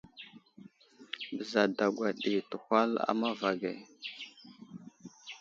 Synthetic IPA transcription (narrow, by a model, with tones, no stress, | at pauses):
bə˨za˨da˨ɡʷa˨ɗi˨tə˨hʷa˦la̰˦ma˦va˨ɡe˨